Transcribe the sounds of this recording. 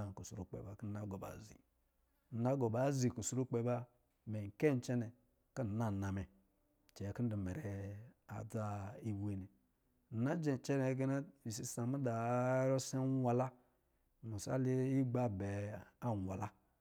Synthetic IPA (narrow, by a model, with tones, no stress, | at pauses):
ku˨su˨ɾu˦k͡pḛ˨ba˨ki˦na˦ɡo˨ba̰˨zḭ˨ | na˦ɡo˨ba˨˦zi˨ku˨su˦ɾu˦k͡pe˨ba˦ | me˨ŋ̩˨ke˦˨n˦t͡ʃe˦nɛ˨ | ki˦˨na˦˨na˨me˨ | t͡ʃe˨ki˦n̩˦du˨me˨ɾe˨a̰˨d͡za˦i˦bu˨˦e˨ne˨ | na˦d͡ʒe˨t͡ʃe˦ne˨˦ɡe˦na˦i˨si˨˦sa˨ma˦da˨˦ɾo˦se˦wʷa˨la˦˨ | mu˨sa̰˦li˦i˦ɡ͡ba˦be˨a˦˨wʷa˨la˦